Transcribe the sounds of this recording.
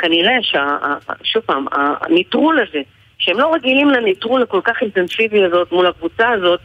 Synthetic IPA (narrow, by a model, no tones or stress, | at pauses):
kaniʁe̞ʃeaa̰ʃupaːma̰nit̪ʁulaze̞ | ʃeemlo̞ʁeɡilimlanit̪ʁulako̞lkaχint̪ensiviazo̞t̪mulakvut͡saːzo̞t̪̚